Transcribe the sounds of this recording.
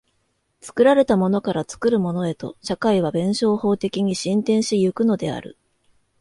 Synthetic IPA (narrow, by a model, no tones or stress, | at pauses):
t͡sɨ̥kɯ̟ɾaɾe̞t̪amo̞no̞kaɾat͡sɨ̥kɯ̟ɾɯ̟mo̞no̞e̞t̪o̞̰ɕakaiβ̞abẽ̞ɰ̃ɕo̞ːho̞ːt̪e̞kʲiɲ̟iɕĩnt̪ẽ̞ɰ̃ɕijɯ̟kɯ̟no̞d̪e̞a̰ɾɯ̟̰